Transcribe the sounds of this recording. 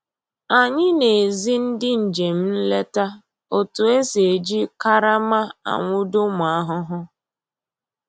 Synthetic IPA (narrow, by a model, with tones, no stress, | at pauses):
a˨ɲɪ˦ne˨zi˦n̩˦dɪ˦n̩˨d͡ʒe˨m̩˦n̩˦le˦ta˦ | o˨tʊ˨e˦se˨d͡ʒi˦ka˦ɾa˦ma˦a̰˨ŋʷʊ˦dʊ˦mʊ˨a˦ɦʊ˦ɦʊ˦